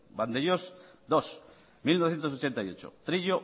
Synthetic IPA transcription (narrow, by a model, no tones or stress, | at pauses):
band̪eʎosd̪os | milnoθjent̪osot͡ʃent̪ajot͡ʃo̰t̪ɾiʎo